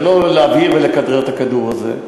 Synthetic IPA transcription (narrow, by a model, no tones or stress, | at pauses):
loleaviʁvelekad̪ʁeʁt̪akad̪uʁazḛ